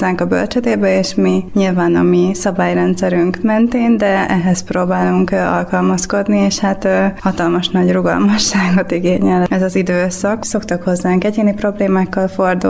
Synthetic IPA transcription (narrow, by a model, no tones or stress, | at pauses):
aːŋkɒbø̰lt͡ʃɛd̪eːbɛeːʃmiɲilvaːnɒmisɒbaːjrɛnt̪sɛɾyŋkmɛnt̪eːnd̪ɛɛɦɛsproːbaːluŋkɒ̰lkɒlmɒsko̞d̪nieːʃhat̪ːhɒt̪ɒlmɒʃnɒɟruɡɒ̰lmɒʃːaːɡo̞t̪iɡeːɲɛlɛzɒzid̪øːsɒkso̞kt̪ɒkho̞zːaːŋkɛɟeːnipro̞bleːmaːkːɒlfo̞rd̪ṵ